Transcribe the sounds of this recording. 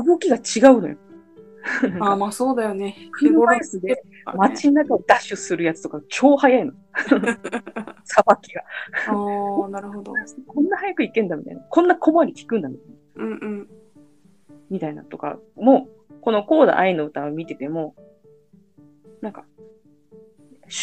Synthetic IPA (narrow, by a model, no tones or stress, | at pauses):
ɯɡo̞kʲiɡat͡ɕiɡaɯ̟no̞jo | aasoːd̪ajonekɯasɨd̪e | mat͡ɕiɲːakaod̪aɕɨsɨɾɯjat͡sɨ̥t̪o̞kat͡ɕʲo̞ːhajaino | sabakʲːiɡaanaɾɯ̟ɦod̪okõ̞nːahajakɯ̟ikẽ̞nd̪amʲit̪a̰inakʰõ̞nːakʰo̞moaɾʲikʲi̥kɯ̟̃nd̪amit̪ainɯ̟̃ːɯ̟̃ɴ | mʲit̪aina̰t̪o̞ka̰mo̞ː | ko̞no̞ko̞ːd̪a̰ʔainːo̞ɯ̟t̪aomʲit̪e̞t̪e̞mo̞ | nãŋka